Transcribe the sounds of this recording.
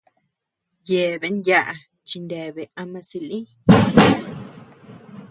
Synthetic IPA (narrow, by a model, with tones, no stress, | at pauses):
je˨βe˨˦nja˦ʔa˧ | t͡ʃi˧nd̪e˨βe˨a˧mã˧si˧lĩ˦